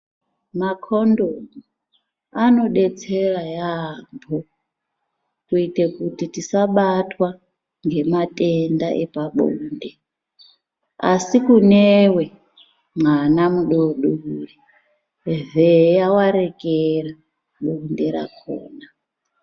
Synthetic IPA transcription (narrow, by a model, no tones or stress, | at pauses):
makʰondomu | ano̞ɗe̞t͡se̞rajambʱo | kuitekutitisaɓatwa | ŋɡe̞matendaʔḛpaɓuːnde̞ | a̰sikunewe̞ | mwanamuɗoɗuri | vejawaɾe̞kera | ɓunde̞ɾa̰kʰo̰ːna